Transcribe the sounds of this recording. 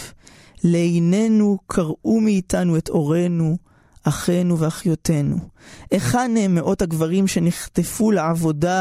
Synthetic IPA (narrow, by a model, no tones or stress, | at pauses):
leejne̞nukʰaʁumiːtanueto̞ʁe̞nu | ʔaχe̞nuveaχjo̞tʰe̞nṵʔeχadnemːeʔo̞thaɡvaʁimʃe̞niχtefuleavo̞da